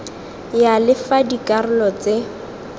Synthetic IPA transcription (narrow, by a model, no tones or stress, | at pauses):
jalɪfadikʼarʊlɔt͡se